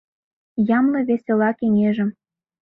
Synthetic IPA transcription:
jɑmlɤ̆βʲesʲelɑkeŋeʒə̆m

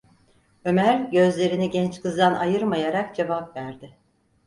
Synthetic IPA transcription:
ø̞mæɾɟø̞zlʲe̞ɾiniɟɛnt͡ʃkʰɯzd̪anʔajɯɾmajaɾakd͡ʒe̞vapvæɾd̪ɪ

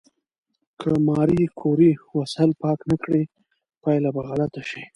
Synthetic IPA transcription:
kʰəmɑɾikʰoɾiwasalpɑknakɽi | pɑjlabaɣalat̪aʃi

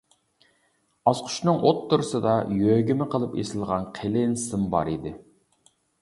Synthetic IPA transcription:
ɑsqʰʊ̥ʃnɨŋʔot̪ʰːuɾsɨd̪ɑjøɡʲimɪqʰəlˠɨpḛsɪlˠʁɑnqʰelɪnsɪmbɑ̰ɾid̪ɪ

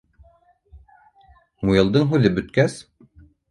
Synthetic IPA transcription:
mujɤ̆lˠd̪ɤɴɦʉðɘbɵ̆t̪̚kæs

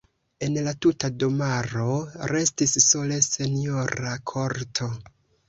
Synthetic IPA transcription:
e̞nlatutadomaɾo̞ɾe̞stisːo̞le̞se̞nio̞ɾakʰo̞ɾtʰo̞

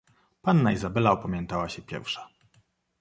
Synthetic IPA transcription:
panːaizabɛlaɔpamʲjɛnt̪awaɕɛpʲjɛ̰ɾfʂḁ

